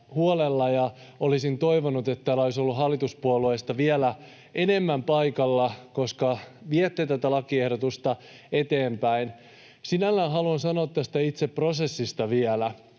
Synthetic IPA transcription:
huolelːɑjɑ | olisint̪o̞iʋonut̪et̪t̪ːæːlːæoisolːuɦɑlːit̪uspuoluest̪ɑʋiælæ | ʔe̞nemːæmpɑikɑlːɑko̞skɑʋiet̪ːet̪æt̪ælɑkiehɾot̪ust̪ɑ | et̪eːmpæin | sinælːæːnɦɑluɑnsɑnoːt̪tːæst̪æit̪seprose̞sːist̪ɑʋiɛlæ

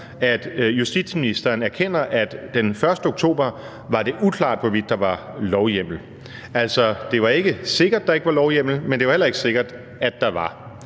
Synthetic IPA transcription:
æd̥jusd̥ḭd̥sminisd̥ɐːnæɐkʰen̰ɐʔæd̥d̥enfɶɐsd̥əo̝ɡ̥̚t͡sʰo̝̰ːb̥ɐ | ʋɑ̈d̥e̝ʔukʰlɑ̰̈ːd̥ʋɒ̽ʋid̥ːɑ̈ʋɑ̈ | lɒʊjem̰l̩ | æl̰sɒd̥e̝ʋɑ̈e̝ɡ̥əse̝ɡ̥ɐd̥ːɑ̈e̝ɡ̥əʋɑ̈lɒʊjem̰l̩mend̥e̝ʋɑ̈helɐe̝ɡ̥ə̥se̝ɡ̥ɐd̥ | æd̥ːɑ̈ʋɑ̈

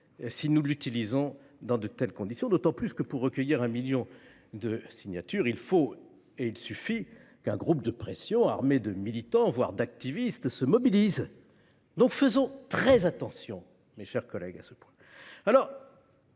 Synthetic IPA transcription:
sinulyt̪ilizɔ̃ | d̪ɑ̃d̪ət̪ɛlkɔ̃d̪isjɔ̃d̪ot̪ɑ̃plyskəpuʁːəkʲəjiʁɛ̃miljɔ̃ | d̪əsiɲjat̪yʁilfo | eilsyfikɛ̃ɡʁup̚d̪əpχesjɔ̃a̰ʁmed̪əmilit̪ɑ̃vwa̰ʁd̪ak̚t̪ivist̪səmɔbiliz | d̪ɔ̃kfəzɔ̃t̪χɛzat̪ɑ̃sjɔ̃ | meʃɛʁkɔlɛ̰ɡa̰səpwɛ̃ | alɔʁ

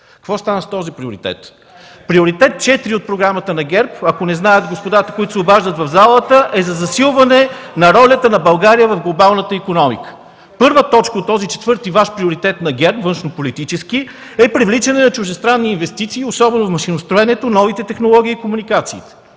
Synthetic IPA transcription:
kəkvɔst̪anəst̪ɔzipɾioɾit̪ɛ̰t̪ | pɾioɾit̪ɛt̪̚t͡ʃɛt̪ɾiot̪̚pɾoɡɾamət̪ənɐɡʲɛɾpɐkonɛznajət̪ɡospod̪at̪ə̥koit̪ʊsobaʒd̪ət̪vɐvzalˠət̪əʔɛzɐzɐsilˠvɐnɛ | nɐɾɔlʲət̪ənɐbɐlˠɡaɾijəvɐfɡlˠobalˠnət̪əikonɔmḭkə̥ | pɤɾvət̪ɔt͡ʃkəot̪ːɔzit͡ʃɛ̥t̪vɤɾt̪ivaʃpɾioɾit̪ɛt̪nɐɡʲɛɾpvɤnʃnopolit̪it͡ʃɛsk̟i | ɛpɾivlit͡ʃɛnɛnɐt͡ʃʊʒd̪ɛst̪ɾanːiːnvɛst̪it̪siːosɔbɛnʊfmɐʃinʊst̪ɾʊɛnɛt̪onɔvit̪ɛt̪ɛxnolˠɔɡ̟ʲiːkomunikat̪siːt̪ɛ̥

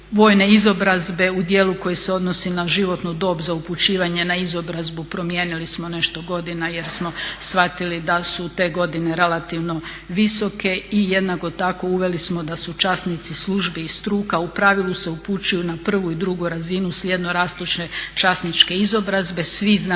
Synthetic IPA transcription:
ʋo̞ːjne̞izo̞bɾazbe̞ud̪jeːluko̞jeseo̞d̪nosinaʒiʋo̞t̪nud̪o̞bzauput͡ɕiːʋaɲe̞naizo̞bɾazbupɾo̞mje̞ːnilismo̞ne̞ʃt̪oɡo̞d̪inaje̞ɾsmo̞sfʋat̪ilid̪asut̪e̞ːɡo̞d̪ine̞ɾe̞lˠat̪iʋno̞ | ʋiso̞ke̞ijed̪nako̞t̪ako̞uʋe̞lismo̞d̪asut͡ʃasnit̪sislˠuʒbiist̪ɾuːkaupɾaʋilˠuse̞uput͡ɕujunapr̩ʋuid̪ɾuɡuɾazinuslʲje̞d̪no̞ɾaːst̪lit͡ʃne̞t͡ʃasnit͡ʃke̞izo̞bɾazbe̞sʋizn

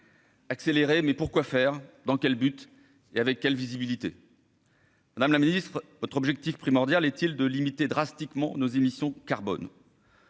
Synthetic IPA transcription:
akseleʁemɛpuʁkwafɛʁd̪ɑ̃kʲɛlbyt̪ | eavɛkʲːɛlvizibilit̪ḛ | mad̪amlaminist̪χvɔt̪χɔbʒɛk̚t̪ifpχimɔʁd̪jalɛt̪ild̪əlimit̪ed̪ʁast̪ikmɑ̃nozemisjɔ̃kaʁbɔ̰n

